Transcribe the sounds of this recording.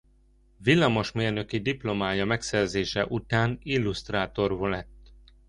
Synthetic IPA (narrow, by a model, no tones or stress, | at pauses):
vilːɒmo̞ʃmeːrnø̞kid̪iplo̞maːjɒmɛksɛrzeːʃɛʔut̪aːnilːust̪raːt̪o̞rvolɛt̪ː